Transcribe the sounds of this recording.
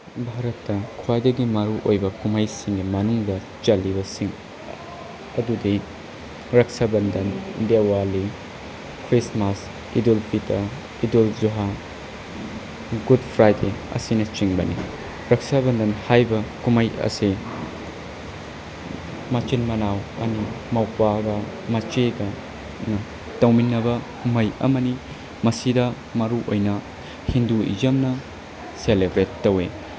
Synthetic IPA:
bʱaɾɐtːɐkʰuwajdɐɡimɐɾuʔojbɐkumɐjsiŋɡimɐnuŋdɐ | t͡ʃɐlːibɐsiŋ | ɐdudi | ɾɐk̚sabɐndɐndewali | kʰɾismas | idolpitʰɐ | idolzuɦa | ɡud̚pʰɾajdeɐ̰sinɐt͡ʃiŋbɐni | ɾɐk̚sabɐndɐnhajbɐkumɐjʔɐ̰si | mɐt͡ʃinmɐnawɐ̰nimɐwpaɡɐ | mɐt͡ʃeɡɐ | nɐ | tɐwminːɐbɐkumɐjɐ̰mɐdi | mɐsidɐ | mɐɾuʔo̰jnɐ | hinduḭzɐmnɐ | selebɾetːɐwe

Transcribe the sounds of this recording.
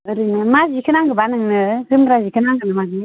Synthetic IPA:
ɯɾinɯmazikʰɯnaŋɡɯbanɯŋnɯzɯmɾazikʰɯnaŋɡɯnɯmaɡi

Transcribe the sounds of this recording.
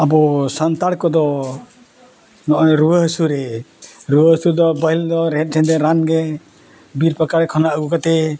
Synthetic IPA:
abɔsant̪aɽkɔd̪ɔ | nɔʔɔɾuwəɦəsuɾɛɾuwəɦəsuɾd̪ɔbajld̪ɔɾɛt̪̚ˀʈʰɛ̃nd̪ɛɾanɡɛ | biɾpakaɾɛkʰɔnaʔəɡukat̪ɛ

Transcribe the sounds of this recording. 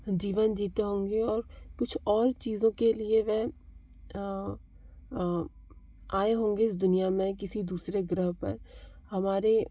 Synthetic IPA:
d͡ʒiːʋənd͡ʒiːt̪eɦõːŋɡeɔːɾkʊt͡ʃʰɔːɾt͡ʃiːzõkelieʋɛ | aːeɦõːŋɡeɪs̬d̪ʊnijamẽkɪsid̪uːsɾeɡɾəɦpɐ̰ɾhɐmaːɾe

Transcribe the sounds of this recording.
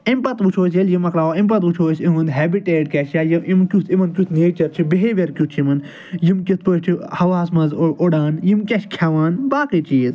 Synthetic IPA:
impɐt̪ʋut͡ʃʰoːs̬jeljimɐkɾaːʋoimpɐt̪ʋut͡ʃʰoːsimɐnd̪ɦɛːbiʈeːɖkʲɛʃjaːjiimkʲut̪ʰimɐnkʲut̪ʰneːt͡ʃɐɾt͡ʃʰibeɦeʋɐɾkʲjut͡ʃʰimɐn | jimkʲit̪ʰpɨt͡ʃʰihɐʋaːsmɐzoɽaːnjimkʲɐʃkʲʰɐʋaːnbaːkit͡ʃiːt̪

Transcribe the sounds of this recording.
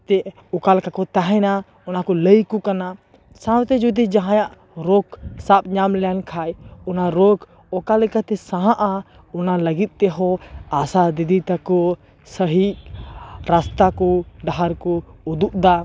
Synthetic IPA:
t̪ɛ | ɔkalɛkakɔt̪aɦɛna | ɔnakɔləjkɔkana | sãwt̪ɛd͡ʒud̪id͡ʒaɦãjaʔ | ɾɔksap̚ɲamlɛjankʰajɔnaɾɔkʰ | ɔkalɛkat̪ɛsãɦãʔa | ɔnaləɡit̪̚ˀt̪ɛɦɔasad̪id̪it̪akɔ | səɦiʔ | ɾast̪akɔɖaɦaɾkɔːd̪uʔd̪a

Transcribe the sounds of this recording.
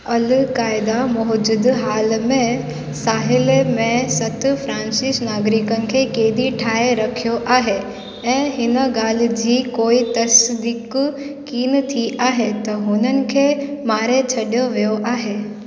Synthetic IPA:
ɐlkaːɪd̪amɔɦd͡ʑʊd̪ɦaːlmẽ | saːɦɪlmẽsɐt̪ʰfɾãːnsɪsnaːɡɾɪkənɪ̆kʰeːkeːd̪iʈʰaːeɾɐkʰijoʔaːɦe | ɛ̃ːɦɪnəɡaːl̤̆d͡ʑiːkoːit̪ɐsd̪ɪkkiːnt̪ʰiʔaːɦet̪ɐɦʊnənɪ̆kʰeːmaːɾet͡ɕʰɐɗjoʋijoʔaːɦeː

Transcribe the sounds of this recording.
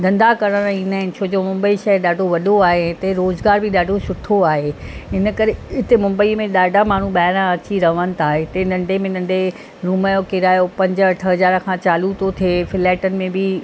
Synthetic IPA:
d̪ʱɐ̃nd̪akɐɾəɾ̃ĩːnaːɦɪ̃nɪ̆t͡ɕʰoːd͡ʑoːmʊ̃mbəiʃɐɗaːɖʱoʋɐɗoaːɦeɛ̃t̪ɐɾoːzɡaːɾbʱɪɗaːɖʱosʊʈʰoaːɦeɦɪnə̆kɐɾeɪt̪emʊ̃mbəimẽɗaːɖʱamaːɳ̤ũɓaːɪɾãɐt͡ɕiɾɐʋənɪ̆t̪ʰaːɦet̪ɐnɐ̃ɳɖemẽnɐ̃ɳɖe | ɾuːmajokɪɾaːjopɐ̃ɲd͡ʑə̆ʈʰɐɦɐzaːɾkʰãt͡ɕaːlut̪ot̪ʰiefɪlɛːʈənɪ̆mẽbɪ

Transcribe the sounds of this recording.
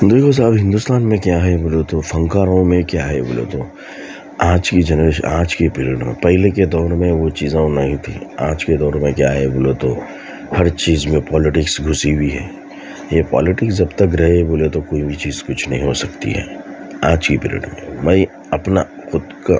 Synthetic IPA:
d̪eːkʰos̬abɦɪ̃nd̪ʊst̪aːnmẽkjaɦɛboːlet̪ofɐ̃ŋkaːɾõmẽkjaːɦɛbo̰ːlḛt̪o | aːd͡ʒkid͡ʒɛnəɾeːʃə̰̃naːd͡ʒkipɪːɾiəɖmḛ̃pɛɦɪleked̪ɔːɾmẽʋot͡ʃiːzãnɐɦĩt̪ʰḭ̃a̰ːd͡ʒked̪ɔːɾmẽkja̰ːɦɛboːlet̪o | hɐɾt͡ʃiːzmẽpɔːlɪʈɪksɡʱʊsibʱiɦɛ̰ː | jepɔ̰ːlɪʈɪksd͡ʒɐbt̪ɐkɾɐɦeboːlet̪okoːibʱit͡ʃiːzkʊt͡ʃʰnɐɦĩɦosɐkt̪ḭɦɛ̰ː | aːd͡ʒkipɪ̰ːɾḭɖmḛ̃mɛ̃ː | ɐpna | xʊd̪ka̰

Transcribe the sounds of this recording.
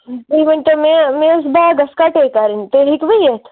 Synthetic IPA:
iʋɐnt̪omẽmẽs̬baɡɐskaʈekaɾint̪eɦikʋijet̪ʰ

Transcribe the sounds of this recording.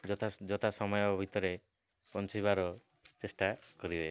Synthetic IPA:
d͡ʒɔt̪ʰad͡ʒɔt̪ʰasɔmɔjɔbʱit̪ɔɾe | pɔnt͡ʃʰibaɾɔ | t͡ʃesʈakɔɾibe

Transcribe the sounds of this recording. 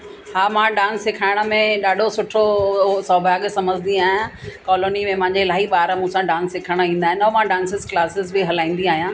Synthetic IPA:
haːmãɖãːnsːɪkʰaːɪɽ̃ə̆mẽɗaːɖʱosʊʈʰosɔːbʱaːɡsɐməd͡ʑʱɪnd̪iaːɦɪãkɔːloːnimẽpɐ̃ɦɪ̃ɲd͡ʑelaːɦiɓaːɾmũsãɖãːnsːɪkʰəɽ̃əĩːnd̪aːɦɪnɔːmãɖãːnsɪzklaːsɪzbiɦɐlaːĩːnd̪iaːɦijãː

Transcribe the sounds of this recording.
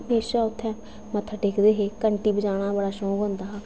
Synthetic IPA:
meːʃaːʊt̪ʰːɛ̃ː | mət̪ʰːəʈeːkʰd̪eːɦeːkəɳʈiːbəd͡ʒaːɽ̃ãːbəɽaːʃɔ̃ːkɦõnd̪aːɦː

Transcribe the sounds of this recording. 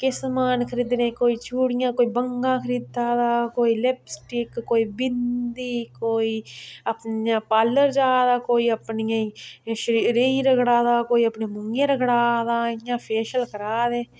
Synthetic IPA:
kɪsmaːnkʰəɾid̪nẽːkoːiːt͡ʃʰuːɽɪjãːkoːiːbəŋɡãːkʰəɾiːd̪aːd̪aːkoːiːleːpsʈɪkːoːiːbɪnd̪iːkoːiːəpnjãːpaːlːəɾd͡ʒaːd̪aːkoːiːəpnɪjãːĩʃəɾɾiːɾəɡɽaːd̪aːkoːiːəpneːmʊŋɡẽːɾəɡɽaːd̪aːjãːpʰeːʃəlkəɾaːd̪eː

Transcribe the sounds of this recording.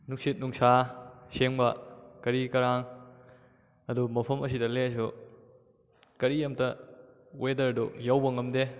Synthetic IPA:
nuksit̚nuŋsaseŋbɐkɐɾikɐɾaŋ | ɐdumɐpʰɐmɐs̬idɐles̬u | kɐɾijɐmtɐ | wedɐɾdujawbɐŋɐmde

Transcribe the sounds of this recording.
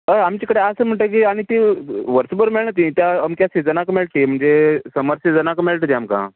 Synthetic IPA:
əamt͡ɕikəɽeəsəːm̤əɳʈ̪ək̬iaɽ̃it̪iʋəɾsəbəɾmeɭɳət̪̬ĩt̪jaəmkjased͡zənakmeɭʈ̪im̤əɳd͡zesəməɾsed͡zənakmeɭʈət̪iamkã̰

